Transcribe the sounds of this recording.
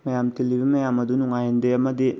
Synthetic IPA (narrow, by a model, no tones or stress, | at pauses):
mɐjamtilibimɐjamɐdunuŋajendeɐmɐdi